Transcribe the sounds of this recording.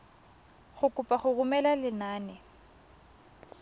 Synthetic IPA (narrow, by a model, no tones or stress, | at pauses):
χʊkʼʊpʼaχʊɣʊmɛlalɪnaːnɛ